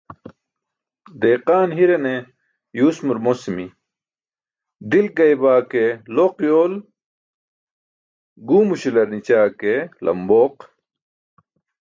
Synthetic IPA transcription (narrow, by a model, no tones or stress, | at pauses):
d̪eːqaːnɦiɾɐne | juːsmuɾmosimi | d̪ilkɐjbaːkeloqjoːl | ɡuːmuɕilɐɾnit͡ɕaːkelɐ̰mboːq